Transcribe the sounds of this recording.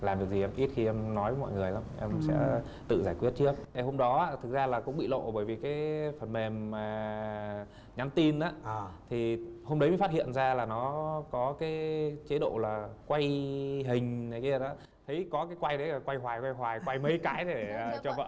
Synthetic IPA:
laː˨˩mɗ̚zi˨˩ʔɛ˧mʔi˦˥t̚t̪ʰi˨˩ʔɛ˧mnɔ˨˦və˨˦mɔ̰˧˨jŋɨ˨˩əjlaː˨˦mʔɛ˧msɛ̰˧˥ | t̪ɨ̰˧˨zaː˧˩jkwi˦˥ət̚t͡ɕɨ˦˥ək̚ʔe˨˩ɦo˧mɗɔ˨˦aː˨˧˦t̪ʰɨ˨˩k̚zaː˧laː˨˩kʊ̰˧˥ŋ͡mɓḭ˧˨lo̰˧˨ɓəː˧˩jvi˨˩kaː˨˦jfə˨˩nme˨˩mːaː˨˩ | ɲa˨˦mt̪i˧nʔaː˨˦t̪ʰi˨˩ho˧mɗə˨˦m˨˦jfaː˦˥t̚hḭ˧˨ənzaː˧laː˨˩nɔ˨˦kɔ˨˦kaː˨˦jt͡ɕe˨˦ɗo̰˧˨laː˨˩kwa˧jɦï˨˩ŋ̟na˨˦jki˧ə˧ɗa˨˦ | t̪ʰə˨˦jkɔ˨˦kaː˨˦jkwa˧jɗə˨˦aː˨˩kwa˧jɦwaː˨˩jkwa˧jɦwaː˨˩jkwa˧jmə˨˧˦jkaː˨˦jɗe˧˩əː˨˩t͡ɕɔ˧və̰ː˧˨

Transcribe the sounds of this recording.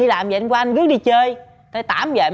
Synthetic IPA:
i˧laː˨˩mjə̰˨˧ŋkwaː˧ʔa˧ŋ̟kɨ˦˥ək̚ɗi˧t͡ɕəː˧j | t̪ə˧˩˦t̪a̰ː˧˩˦mjə̰ː˧˨

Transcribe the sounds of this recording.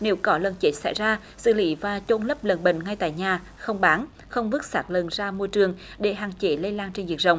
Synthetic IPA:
ne˨˦wkɔ˨˦lə˨˩nt͡ɕe˦˥t̚sa̰˧˩jzaː˧ | sɨ̰˧˨lḭ˧˦vaː˨˩t͡ɕo˧nlə˦˥p̚lə˨˩nɓḭ˧˨ŋŋa˧jt̪a̰ː˧˨jɲaː˨˩ | xə˧wŋ͡mɓaː˨˦n | xə˧wŋ͡mvɨ˦˥ək̚saː˦˥t̚lə̰˨nzaː˧mu˧əjt͡ɕɨ˨˩əŋ | ɗe˧˩ɦaː˨˩ŋt͡ɕe˨˦lə˧jlaː˧nt͡ɕe˧nvi˨˩ək̚zə̰˨wŋ͡m

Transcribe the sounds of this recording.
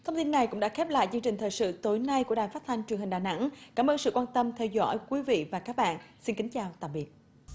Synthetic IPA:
t̪ʰə˧wŋ͡mt̪i˧nːa˨˩jkʊ̰˧˥ŋ͡mɗa̰ː˧˥xɛ˦˥p̚la̰ː˧˨jt͡ɕɨ˧ŋt͡ɕï˨˩ŋ̟t̪ʰəː˨˩jsɨ̰˧˨t̪o˨˦jna˧jku˧˩əɗa˨˩jfa˦˥t̚t̪ʰa˧ŋ̟t͡ɕwɨ˨˩əŋhi˨˩ŋ̟ɗaː˨˩na̰˧˥ŋkaː˧˩mʔəː˧nsɨ̰˧˨kwaː˧nt̪ə˧mt̪ʰɛ˧wzɔ̰˧˥jkwi˨˦vḭ˧˨vaː˨˩kaː˦˥k̚ɓa̰ː˧˨nsi˧nki˨˦ŋ̟t͡ɕaː˨˩wt̪a̰ː˧˩ɓi˨˩ət̚

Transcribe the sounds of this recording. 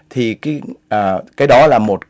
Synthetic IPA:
t̪ʰi˨˩ka˨˦ʔːkaː˨˦jɗɔ˨˦laː˨˩mo˨˩t̚

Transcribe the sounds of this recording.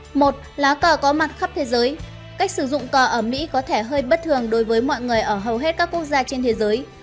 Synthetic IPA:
mo˨˩t̚laː˨˦wkəː˧˩kɔ˨˦ma˨˩t̚xə˦˥p̚t̪ʰe˨˦zəː˨˦j | ka˦˥jk̟̚sɨ˧˩zʊ̰˧˨ŋ͡mkɔː˨˩ʔəː˧˩mḭ˧˥kɔ˨˦t̪ʰe˧˩ɦəː˧jɓə˦˥t̚t̪ʰɨ˨˩əŋɗo˨˦jvəː˨˦jmɔ̰˧˨jŋɨ˨˩əjʔəː˧˩ɦə˨˩wɦe˦˥t̚kaː˦˥kːu˦˥ək̚zaː˧t͡ɕe˧nt̪ʰe˨˦zəː˨˦j

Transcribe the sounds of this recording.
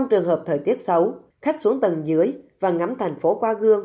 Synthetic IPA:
ɔ˧ŋ͡mt͡ɕɨ˨˩əŋɦəː˨˩p̚t̪ʰəː˨˩jt̪i˦˥ət̚sə˨˦w | xa˦˥k̟̚su˨˦əŋt̪ə˨˩nzɨ˨˦əjvaː˨˩ŋa˨˦mt̪ʰɛ˨˩jŋ̟fo˨˦kwaː˧ɣɨ˧əŋ

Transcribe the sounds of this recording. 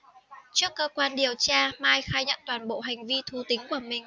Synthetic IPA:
t͡ɕɨ˦˥əkːəː˧kwaː˧nɗi˨˩əwt͡ɕaː˧maː˧jxaː˧jɲə̰˧˨nt̪waː˧˩nɓo̰˧˨ɦa˨˩jŋ̟vi˧t̪ʰu˧t̪ï˨˦ŋ̟ku˧˩əmï˨˩ŋ̟

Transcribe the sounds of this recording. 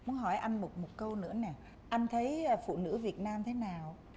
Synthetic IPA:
mu˨˦nɦɔ˧˩jʔa˧jŋmo˨˩mo˨˩kə˧wnɨ̰˧˥ənɛ˨˩ | ʔa˧jŋ̟t̪ʰə˨˦jfṵ˧˨nɨ̰˧˥vi˨˩ət̚naː˧mt̪ʰe˨˦naː˨˩w

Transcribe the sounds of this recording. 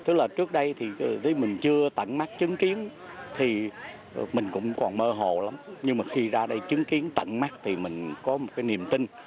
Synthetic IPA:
t̪ɨ˨˦˥k̚laː˨˩t͡ɕɨ˦˥ək̚ɗə˧jt̪ʰi˨˩zə˨˦jmï˨˩ŋ̟t͡ɕɨ˧ət̪ə̰˧˨nma˦˥t͡ɕɨ˨˦ŋki˨˦ən | t̪ʰi˨˩ | mï˨˩ŋ̟kʊ̰˧˥ŋ͡mkɔ˨˩nməː˧ɦo̰˧˨la˨˦mɲɨ˧ŋmaː˨˩xi˧zaː˧ɗə˧jt͡ɕɨ˨˦ŋki˨˦ənt̪ə̰˧˨nma˦˥t̚t̪ʰi˨˩mï˨˩ŋ̟kɔ˨˦mo˨˩t̚kaː˨˦ni˨˩əmt̪ï˧ŋ

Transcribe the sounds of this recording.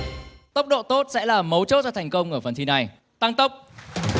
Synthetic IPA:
t̪ə˦˥wk͡p̚ɗo̰˧˨t̪o˦˥t̚sɛ̰˧˥laː˨˩mə˨˦wt͡ɕo˦˥t̚zɔ˧t̪ʰjŋ̟kə˧wŋ͡mʔəː˧˩fə˧˩nt̪ʰi˧na˨˩j | t̪a˧ŋt̪ə˦˥wk͡p̚

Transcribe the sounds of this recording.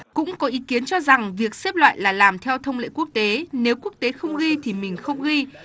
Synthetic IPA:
kʊ̰˧˥ŋ͡mkɔ˨˦ʔi˨˦ki˨˦ənt͡ɕɔ˧za˨˩ŋvi˨˩ək̚se˦˥p̚lwa̰ː˧˨jlaː˨˩laː˨˩mt̪ʰɛ˧wt̪ʰə˧wŋ͡mlḛ˧˨ku˦˥ək̚t̪e˨˦ne˨˦wku˦˥ək̚t̪e˨˦xə˧wŋ͡mɣi˧t̪ʰi˨˩mï˨˩ŋ̟xə˧wŋ͡mɣi˧

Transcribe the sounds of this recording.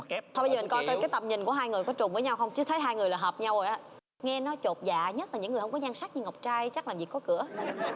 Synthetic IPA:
ɔ˧ɓə˧zi˨˩ŋkɔ˧jkːjkaː˨˦jt̪ə˨˩mɲï˨˩ŋku˧˩əɦaː˧jŋɨ˨˩əjkɔ˨˦t͡ɕʊ˨˩ŋ͡mvəː˨˦ɲa˧wxə˧wŋ͡mt͡ɕɨ˨˦t̪ʰə˨˦jɦaː˧jŋɨ˨˩əjlaː˨˩ɦəː˨˩p̚ɲa˧wo˨˩jʔaː˨˦ | ŋɛ˧nɔ˨˦t͡ɕo˨˩t̚za̰ː˧˨ɲə˦˥la˨˩ɲɨ̰˧˥ŋɨ˨˩hə˧ŋ͡mkɔ˨˦ɲaː˧ŋsa˦˥k̚ɲɨ˧ŋə˨˩wk͡p̚t͡ɕaː˧jt͡ɕa˦˥k̚laː˨˩mvi˨˩kːɔ˨˦kɨ̰˧˩ə

